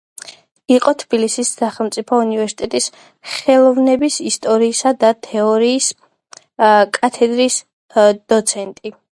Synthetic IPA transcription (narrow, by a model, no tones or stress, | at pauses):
iqʼɔt̪ʰb̥ilisisːaχɛlˠmt̪sʼipʰɔunivɛɾsi̥t̪ʼɛt̪ʼis | χɛlˠɔvnɛbisist̪ʼɔɾiːsad̪at̪ʰɛɔɾiːs | kʼat̪ʰɛd̪ɾis | d̪̥ɔt̪sʰɛnt̪ʼi